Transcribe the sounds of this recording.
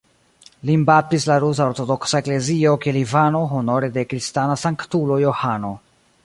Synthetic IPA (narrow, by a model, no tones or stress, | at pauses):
limbatislaɾus̬aoɾto̞do̞ksaekle̞zio̞kelivano̞ɦo̞no̞ɾe̞de̞kɾistanasaŋktulo̞jo̞hano̞